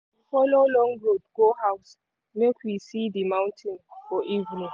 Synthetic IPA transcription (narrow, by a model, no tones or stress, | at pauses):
fɔlolɔ̃ŋɡɹodɡ̥ohaws | mekʰwisiðimãw̃ntʰĩnfɔʔivnĩŋ